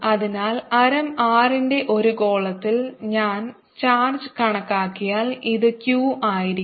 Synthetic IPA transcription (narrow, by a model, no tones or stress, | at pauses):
ɐðinaːlɐɾɐmaːrinde̞ʔo̞ɾuko̞ːɭɐt̪ːilɲaːn | t͡ɕaːrd͡ʑɨkɐɳɐkːaːkːijaːliðɨkjuːʔaːjiɾi